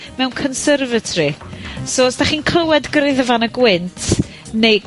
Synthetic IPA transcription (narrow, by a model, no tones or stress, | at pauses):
mɛwnkʰɔnsərvətʰrisoːsd̥aχiːnkʰl̥əwɛdɡɾɨðəvanəɡwɪntʰ | nej